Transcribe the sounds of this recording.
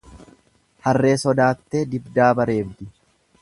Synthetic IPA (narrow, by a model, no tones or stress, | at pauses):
hɐrːe̞ːsɔd̪aːt̪ːeːd̪ɪbd̪aːbɐɾe̞ːbd̪ɪ